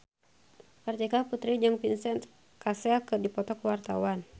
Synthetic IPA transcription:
pərt̪ɛkaput̪ɾid͡ʒɨŋpinsɛnt̪ | kasɛlkɨrdipɔt̪ɔkəwart̪awan

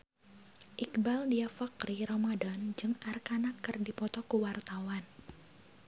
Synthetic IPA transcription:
ʔikbaldiafakɾiɾɔmadand͡ʒɨŋʔarkanakːərdipɔt̪ɔkuwart̪awan

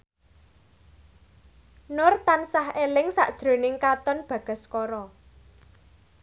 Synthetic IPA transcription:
nʊrt̪ansahelɪŋsa̰ʔd̥ʒ̥ɾo̤nɪŋkat̪ɔnb̥ä̤ɡ̥ə̤skɔɾɔ

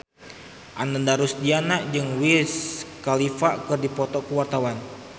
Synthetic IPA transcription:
ʔanəndaɾusdianaʔd͡ʒɨŋwiskalifakɨrdipɔt̪ɔkuwart̪awan

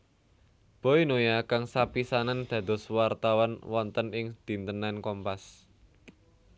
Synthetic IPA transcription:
b̥ɔ̤jnojakaŋsapisanand̪̥ä̤d̪̥ɔ̤swart̪awɔnwɔnt̪ənɪŋd̪̥i̤nt̪ənankɔmpas

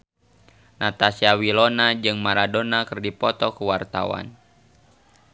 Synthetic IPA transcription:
nʔat̪asiawilɔnad͡ʒɨŋmaɾadonakɨrdipɔt̪ɔkəwart̪a̰wa̰n

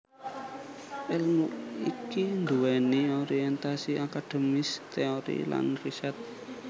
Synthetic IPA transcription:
ʔɛlmuʔikind̪uwɛnioɾiɛnt̪asiakad̪̥e̤mɪst̪eoɾḭla̰nriʃat̪̚

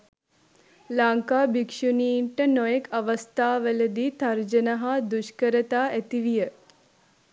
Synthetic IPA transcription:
laːŋkaːbikʂuniːɳʈənɔjekʰɐʋɐst̪aːʋələd̪it̪ɐɾd͡ʒənɐɦad̪uʃkəɾət̪aːæt̪iʋijə

